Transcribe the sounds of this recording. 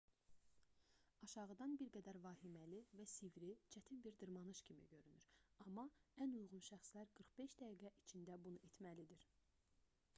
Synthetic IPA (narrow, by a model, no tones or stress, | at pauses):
ɑʃɑʁɯd̪ɑnbiɾɡæd̪æɾvɑːhimælivæsivɾit͡ʃʰæt̪ʰinbiɾd̪ɯɾmɑnɯʃcʰimḭɟø̞ɾynyɾɑmːɑænujʁunʃæχslæɾɡɯɾχb̥e̞ʃd̪æɡiːɡæʔit͡ʃʰind̪æbunuet̪ʰmælid̪iɾ